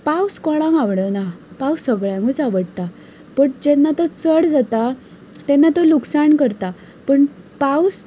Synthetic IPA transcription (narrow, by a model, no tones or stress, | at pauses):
pawskɔɭãŋɡaʋɽənapawsəɡɭjãŋɡut͡saʋəɽt̪a | pəɳd͡ʑɛnːat̪ɔt͡səɽd͡zat̪a | t̪ɛnːat̪ɔluksaɳkəɾt̪a | pəɳ | paws